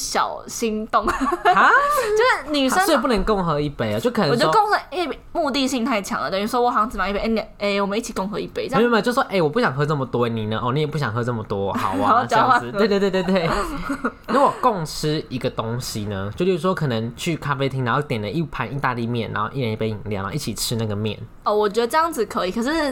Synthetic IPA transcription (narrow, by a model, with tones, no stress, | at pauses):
ɕjɑ̰˨˩ʊɕi˦˥nt̪ʊ˥˧˩ŋ˦ | jo˥˧ʂɻ̩˥˩ny˨˩ʂə˥˨pu˥˩nə˧˦ŋko˥˩ŋxɤ˧˥i˥˩pe˨˩ɪɐ˨˦t͡ɕjo˥˩ʊkʰɤ˨˩n˧˨˦oɔ˥ko˥˧ŋsə˧e˥˩ | mu˥˧t̪i˥˧ɕi˥˧ŋt̪ʰa˥˩ɪt͡ɕʰjɑ̰˧˦ŋdə̰˨˩d̪ə˨˩y˧˩˥wɔ˥wɔ˨˩fɑ˧˥ŋt͡s̩˨˩ma˨˦i˥˩pe˧˥˩n˨˩e˧˩wɔ˨˩mə̃˨˦i˥˩i˨˩kʊ˥˩ŋxɤ˧˦i˥˩pe˨˦ɪ˥˧˥mə˨t͡ɕjo˥˧swɔ˥ʔe˥˩ɪwɔ˨˩pu˥˩ɕjɑ˨ŋɦɤ˧˥t͡sə˥˩mə˨˩t̪wɔ˥˧ni˨˩nə˦ʔɔ˥˧ni˦jɛ˨˩pu˥ɕ̬jɑ˨ŋɦɤ˧˦t͡sə˥˩mə˨˩t̪wɔ˦˨xa̰˨˦ʊwa˨˧˦t͡ɕɑ˥˦˥t̪we˥˧t̪w̪we˥˧t̪we˥˧t̪we˥˩ɪ | na˥˩wɔ˨˩kʊ˥˩ŋʈ͡ʂ̩ʰ˥i˧˥ɡə˨t̪o˦ŋɕi˨nə˦t͡ɕjo˥˧ʊlju˥˩u˥˩wɔ˥kʰɤ˨˩nə˧˦ŋt͡ɕʰy˥˩kʰa˥fe˥ɪt̪ʰi˥ŋna˧˦xo˥˧ʊt̪jɛ˨˩nd̪ə˦i˥˩pʰa˧˥ni˥˧t̪a˥˧li˥˧mjɛ̰˥˩nʔa̰˧˦ŋxo˥˧ʊʔi˥˩ɻə˧˦ni˥˩pe˧ɪi˨˩ŋlj̰n˨˦˥o̰˥˦˥i˥˩t͡ɕʰi˨˩ʈ͡ʂʰɻ̩˧˥na˥˩ɡə˩mjɛ̰˥˩n | ɔ˥˧˩wɔ˨˩t͡ɕɥɛ˧d̪ə˧ʈ͡ʂɤ˥˧jɑ˥˩ŋd͡zɹ̩˨˩kʰɤ˧˦i˨˩kʰɤ˨˩ʂɻ̩˥˩